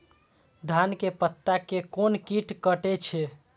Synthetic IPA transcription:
d̪ʱankepət̪ːakekonkiʈkəʈet͡ʃʰɛ

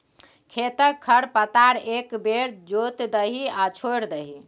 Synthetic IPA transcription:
kʰet̪əkʰːəɽpət̪aɾekbeɾd͡ʒot̪d̪əɦiat͡ʃʰoɾd̪əɦi

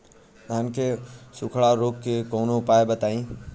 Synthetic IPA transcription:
t̪aənkʰeːsʊkʰɽaɾoːkːeːkoːnopaːebət̪aːĩː

